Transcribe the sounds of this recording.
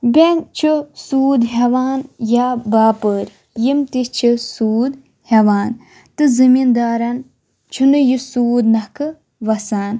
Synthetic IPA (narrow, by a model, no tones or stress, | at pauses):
bʲent͡ʃʰɨsuːd̪ɦɐʋaːnjabaːpəːɾʲ | jimt̪ist͡ʃʰisuːd̪ | hɐʋaːn | t̪ɨzɨmind̪aːɾɐn | t͡ʃʰunɨjisuːd̪nɐkɨ | ʋɐsaːn